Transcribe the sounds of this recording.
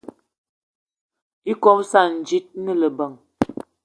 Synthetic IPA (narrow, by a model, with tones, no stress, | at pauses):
i˦kɔ˦p̚sa˦˨n̩˨d͡ʒi˦t̚nə˦lə˨bə˨ŋ